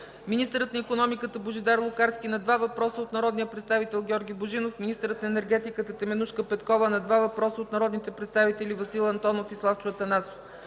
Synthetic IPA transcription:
minist̪əɾət̪nəikonɔmikət̪əboʒid̪aɾlˠʊkaɾsk̟ʲinɐd̪vavɐpɾɔsəot̪nɐɾɔd̪nijəpɾɛt̪st̪avit̪ɛlˠɡʲɔɾɡʲiboʒinofmʲinist̪əɾət̪nɐɛnɛɾɡɛt̪ikət̪ət̪ɛmɛnuʃkəpɛt̪kɔvənɐd̪vavɐpɾɔsəot̪nɐɾɔd̪nit̪ɛpɾɛt̪st̪avit̪ɛlʲivɐsilˠɐnt̪ɔnofislˠaft͡ʃʊvət̪ɐnaso̥f

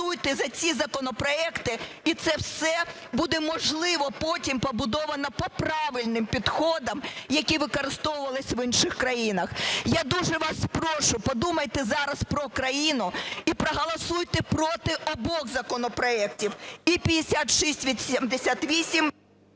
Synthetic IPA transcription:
ujt̪ɛzɐt͡sʲizɐkɔnɔpɾɔɛkt̪ɪ | it̪sɛwsɛ | bud̪ɛmɔʒlˠɪʋɔpɔtʲimpɔbʊd̪ɔʋɐnɐpɔpɾɑʋɪlʲnɪmpʲid̪xɔd̪ɐmjɐkʲiʋɪkɔɾɪst̪ɔwʊʋɐlˠɪsʲʋɪnʃɪxkɾɐjinɐxjad̪uʒɛʋɑspɾɔʃʊpɔd̪umɐjt̪ɛzɑɾɐspɾɔkɾɐjinʊipɾɔɦɐlˠɐsujt̪ɛpɾɔt̪ɪʔɔbɔɣzɐkɔnɔpɾɔɛk̚tʲiwipʲid̪esʲat̪ʃisʲtʲʋʲid̪sʲɛmd̪esʲat̪ʋʲisʲim

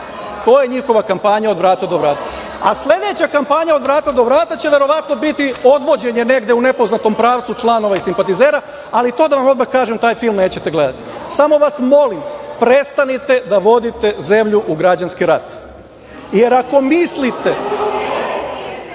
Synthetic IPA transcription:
t̪o̞ːjeɲixo̞ʋakampaɲao̞d̪ʋɾaːt̪ad̪o̞ʋɾaːt̪a | asle̞d̪e̞t͡ɕakampaɲao̞d̪ʋɾaːt̪ad̪o̞ʋɾaːt̪at͡ɕeʋe̞ɾo̞ʋat̪no̞bit̪io̞d̪ʋo̞d͡ʑe̞ɲe̞ne̞ɡd̪eune̞po̞znat̪o̞mpɾaːʋt̪sut͡ʃlˠano̞ʋaisimpat̪ize̞ːɾa | alit̪o̞d̪aʋamo̞d̪maxkaːʒemt̪aːjfilˠmne̞ːt͡ɕet̪e̞ɡle̞d̪at̪i̥samo̞ʋasmo̞limpɾe̞st̪anit̪e̞d̪aʋo̞d̪it̪e̞ze̞mʎuʔuɡɾad͡ʑanskiɾat̪ | je̞ɾako̞mislit̪e̞

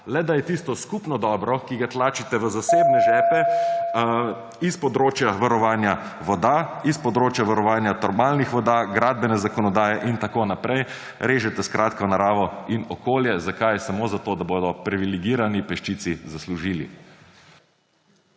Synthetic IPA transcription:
lɛd̪ajɛt̪ist̪ɔskupnɔd̪ɔːbɾɔkiɡat̪laːt͡ʃit̪ɛʋəzaseːbnɛʒɛːpɛ | ispɔd̪ɾoːt͡ʃjaʋaɾɔʋaːnja | ʋɔd̪aispɔd̪ɾoːt͡ʃjaʋaɾɔʋaːnjat̪ɔɾmalnixʋɔd̪aɡɾad̪̚bɛnɛzakɔnɔd̪aːjɛʔint̪akoːnapɾɛj | ɾeːʒɛt̪ɛskɾʔaːt̪kɔnaɾaːʋɔinɔkoːljɛzakajsamoːzat̪oːd̪aboːd̪ɔpɾiʋiliɡiːɾanipɛʃt͡ʃit̪sizasluʒiːlḭ

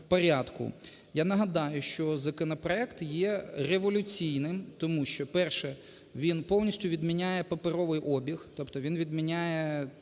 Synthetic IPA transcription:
pɐɾʲad̪kʊ̰ | janɐɦɐd̪ɑjʊʃt͡ʃɔzɐkɔnɐpɾɔɛkt̪jɛreʋɔlʲʊt͡sʲijnɪmt̪ɔmuʃt͡ʃɔpɛrʃɛ | ʋʲinpɔwnʲisʲtʲʊʋʲid̪mʲinʲajɛpɐpeɾɔʋɪjʔɔbʲixt̪ɔpt̪ɔʋʲinʋʲid̪mʲinʲajɛ

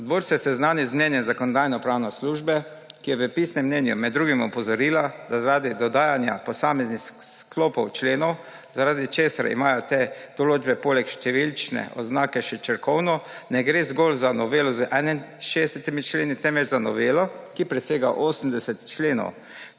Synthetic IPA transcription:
ɔd̪boɾsɔjɛsɛznaːnizmnʲjɛnjɛnzakɔnɔd̪ajnɔpɾaːwnɔsluːʒbɛ | kijɛʋəpisnɛmːnɛnjṵmɛd̪ːɾuːɡimɔpɔzɔɾiːlad̪azaɾaːd̪id̪ɔd̪aːjanja̰pɔsaːmɛznixsklɔpɔwt͡ʃleːnɔw | zaɾaːd̪it͡ʃeːsa̰ɾḭmaːjɔt̪e | d̪̥ɔloːd͡ʒbɛpolɛkʃt̪ɛʋilt͡ʃnɛ̰ʔɔ̰znaːkɛʃɛt͡ʃɛɾkɔwnɔnɛɡɾeːzɡolzanɔʋeːlɔzəʔɛninʃesɛt̪imit͡ʃleːnit̪ɛmʋɛd͡ʒzanɔʋeːlɔkipɾɛseːɡa̰ʔoːsm̩d̪ɛsɛt̪t͡ʃleːnɔ̰w

